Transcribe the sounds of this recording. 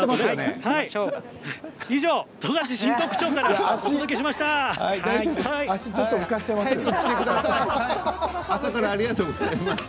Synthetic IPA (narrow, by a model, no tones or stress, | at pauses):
emanehai | iʑo̞ːt̪oɡat͡ɕiɕĩnt̪o̞kɯ̟̥t͡ɕo̞ːkaɾaaotiod̪ok̬e̞ɕimaɕi̥t̪aha̰id̪aiobaɕit͡ɕo̞t̪ːoikaɕi̥t̪emast̪ekɯ̟d̪asaiaasakaɾaːɾʲiɡat̪oːɡoz̥aemaɕ